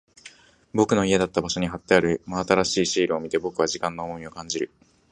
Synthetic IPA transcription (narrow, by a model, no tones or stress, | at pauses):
bo̞kɯ̟no̞ied̪at̪ːabaɕo̞ɲ̟iɦat̪ːeaɾɯ̟maːt̪aɾaɕiːɕiːɾɯ̟o̞mʲit̪e̞bo̞kɯ̟β̞aʑikãnːoːmo̞mʲio̞kãɲ̟d͡ʑiɾɯ̟